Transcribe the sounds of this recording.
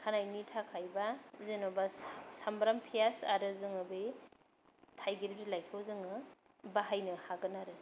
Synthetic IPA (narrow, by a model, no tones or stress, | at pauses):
kʰanajnitʰakʰajbazenobasambɾampʰijasaɾɯzɯŋɯbe | tʰajɡiɾib̚zilajkʰɯwzɯŋɯ | baɦajnɯhaɡɯnaɾɯ